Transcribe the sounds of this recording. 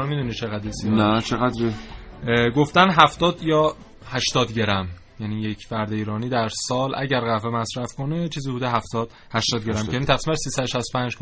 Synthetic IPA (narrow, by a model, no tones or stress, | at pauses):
nmid̪unit͡ʃʰeɣæd̪ɾesiːnæt͡ʃʰeɣæd̪ɾe | ɡoft̪ænɦæft̪ɒːd̪jɒː | hæʃt̪ɒːd̪ɟe̞ɾæm | jæniːjecʰfæɾd̪eiːɾɒːniːd̪æɾsɒːlʔæ̰ɟæɾɣævemæsɾæfkonet͡ʃʰiːziːbuːd̪eɦæft̪ɒːd̪̥ | hæʃt̪ɒːd̪ɡeɾæmenit̪ʰæfsimænsiːsæd̪oʃæst̪opʰænd͡ʒ